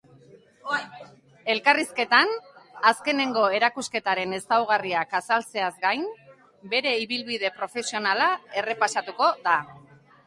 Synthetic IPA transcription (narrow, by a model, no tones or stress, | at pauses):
e̞lkariske̞t̪anaske̞ne̞ŋɡo̞e̞ɾakuske̞t̪aɾe̞ne̞st̪awɣ̞ariakasalt͡se̞azɡajn | be̞ɾe̞iβilβiðe̞pɾo̞fe̞sio̞nalae̞re̞pasat̪uko̞ða